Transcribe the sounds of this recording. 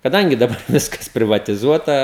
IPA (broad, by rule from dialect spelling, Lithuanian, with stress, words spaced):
kɐˈdɐŋʲɡʲɪ dɐˈbɐr ˈʋʲɪskɐs pʲrʲɪʋɐtʲɪˈzuɔtɐ